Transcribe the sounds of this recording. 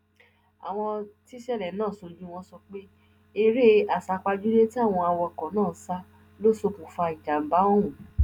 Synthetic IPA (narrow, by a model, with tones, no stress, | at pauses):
a̰˨w̃ɔ̃˧ti˦ʃɛ˦˨lɛ˨˦nãː˦˨so˧˦d͡ʒũ˦w̃ɔ̃˦sɔ˧k͡pe˦ | e˦˧ɾe˦a˨sa˨˧k͡pa˧d͡ʒu˦le˦ti˦a˦˨w̃ɔ̃˧a˧wɔ˧˨kɔ̃˨˦nãː˦˨˦sa˦˧ | lo˦so˧kũ˨fa˧i˨d͡ʒa˨ba˨˦wɔ̃˦ũ˨